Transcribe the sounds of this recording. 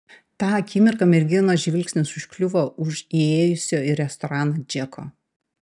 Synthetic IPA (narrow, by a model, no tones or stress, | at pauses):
t̪ɑːɐkʲiːmʲɪɾkɐmʲɛɾʲɡʲɪnoːʒʲʋʲɪlʲksʲnʲɪsʊʃʲkʲlʲʊʋoːʊʃieːjʊsʲoːɪɾʲɛst̪ɔɾɑnɐd͡ʒʲɛkʰo̰ː